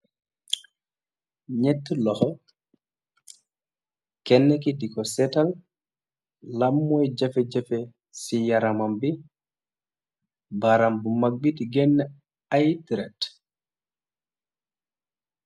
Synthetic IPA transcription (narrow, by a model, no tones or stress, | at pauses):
ɲɛtːulɔhɔ | kɛnːɛk̬idikɔsɛtal | lamːɔjd͡ʒafɛd͡ʒafɛ | sijaɾamambi | baɾambumaɡ̚bitiɡɛnːɛ | ajtiɾɛt